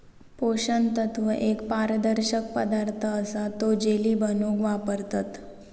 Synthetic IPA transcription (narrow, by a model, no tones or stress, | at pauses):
poɕənt̪ət̪ʰʋəʔekpaɾəd̪əɾɕəkpəd̪aɾt̪ʰəːsat̪od͡ʑeliːbənukʋapəɾt̪at̪